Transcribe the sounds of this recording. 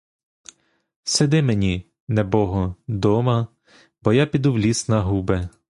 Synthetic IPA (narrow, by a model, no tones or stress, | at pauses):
sed̪ɪmenʲi | nɛbɔɦɔd̪ɔmɐ | bɔjapʲid̪uwlʲisnɐɦubɛ